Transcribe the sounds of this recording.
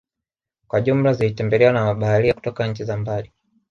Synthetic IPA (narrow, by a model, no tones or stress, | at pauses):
kwaʄum̩lazilitɛmbɛlɛwanamaɓahaliaku̥tɔkaɲ̩t͡ʃizambali